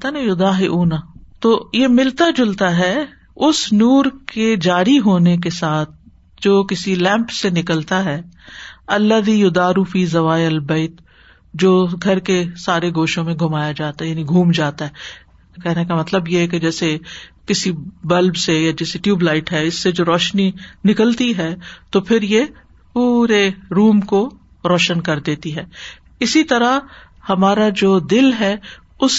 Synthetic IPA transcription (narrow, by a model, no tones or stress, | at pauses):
t̪anejʊd̪aːɦeʔuːnat̪oːjemɪlt̪ad͡ʒʊlt̪aɦɛ | ʊsnuːɾked͡ʒaːɾiɦoːnek̬esaːt̪̚ʰ | d͡ʒoːkɪsilɛ̃ːmpsenɪkəlt̪aɦɛː | ɐlːəd̪ijʊd̪aːɾufiːzɐʋaːjəlbɐɪt̪ | d͡ʒoːɡʱɐɾkesaːɾeɡoːʃõmẽɡʱʊmaːjad͡ʒaːt̪ajaːniɡʱuːmd͡ʒaːt̪aɦɛː | kɛɦnekamɐt̪ləbjeɦɛk̬ed͡ʒɛːsekɪsibɐlbsejad͡ʒɛːseʈjuːblaːɪʈɦɛɪsːed͡ʒoːɾɔːʃninɪkəlt̪iɦɛt̪opʰɪɾje | puːɾeɾuːmko | ɾɔːʃənkɐɾd̪eːt̪iɦɛː | ɪsit̪ɐɾa | hɐmaːɾad͡ʒoːd̪ɪlɦɛ | ʊs